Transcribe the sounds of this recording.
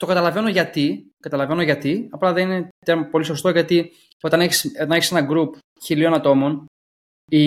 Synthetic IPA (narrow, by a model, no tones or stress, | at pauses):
t̪o̞kɐt̪ɐlɐve̞no̞ʝɐt̪ikɐt̪ɐlɐve̞no̞ʝɐt̪iɐplɐðenine̞t̪eɾmpo̞liso̞st̪o̞ʝɐt̪i | o̞t̪ɐneçi̥sot̪ɐneçisenɐɡɾup | çilio̞nɐt̪o̞mo̞n | i